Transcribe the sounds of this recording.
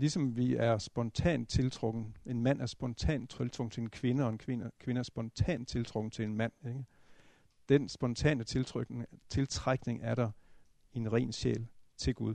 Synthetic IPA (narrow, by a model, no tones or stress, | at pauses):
lisɒ̽mʋiæɐsb̥ɒ̽nt͡sʰɛ̰ːn̥̚t͡sʰe̝lt͡sʰʁɔɡ̥n̩e̝nmæn̰ʔæɐsb̥ɒ̽nt͡sʰɛ̰ːndt͡sʰʁelt͡sʰʁɔɡ̥n̩t͡sʰe̝enkʰʋe̝nəɒ̽e̝nkʰʋe̝nəkʰʋe̝nəæɐsb̥ɒ̽nt͡sʰɛ̰ːnd̥̚t͡sʰe̝lt͡sʰʁɔ̽ɡ̥n̩t͡sʰe̝lenmæn̰eɡ̥ə | d̥ensb̥ɒ̽nt͡sʰɛ̰ːnət͡sʰe̝lʰʁ̥t͡sʰe̝lt͡sʰʁaɡ̥ne̝ŋʔæɐɾɑ̈ | e̝nʁɛ̰ːnɕḛːlt͡sʰe̝lɡ̥uð̞ˠ